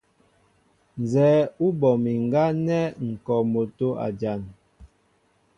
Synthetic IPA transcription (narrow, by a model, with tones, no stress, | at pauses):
n˨zɛː˨˦u˦bɔ˨mi˨ŋ˨ɡa˦nɛ˦ŋ̩˨kɔ˨mo˨to˦a̰˨d͡ʒa˨ŋ